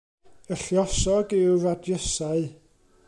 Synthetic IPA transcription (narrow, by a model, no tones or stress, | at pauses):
əɬjɔsɔɡɪwradjəsaɨ